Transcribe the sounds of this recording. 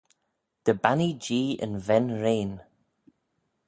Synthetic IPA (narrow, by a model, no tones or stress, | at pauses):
d̪̥əbanid͡ʒiːə̰nvɛnɹeːn